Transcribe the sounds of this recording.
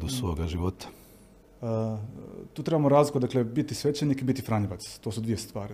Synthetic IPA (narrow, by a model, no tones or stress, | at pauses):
d̪usʋoːɡaʒiʋot̪ḁ | t̪uːt̪ɾe̞bamoɾaːzlikud̪aklebit̪isʋet͡ɕenikibit̪ifɾaɲiʋat̪st̪o̞ːsud̪ʋije̞st̪ʋaːɾi